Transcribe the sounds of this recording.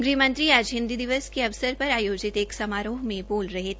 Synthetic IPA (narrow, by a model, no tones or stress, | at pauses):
ɡɾiːmə̃nt̪ɾiaːd͡ʒɦɪ̃nd̪id̪ɪʋəskeɐʋsəɾpɐɾaːjoːd͡ʒɪt̪eːksɐmaːɾoːɦmẽboːlɾɐɦet̪ʰː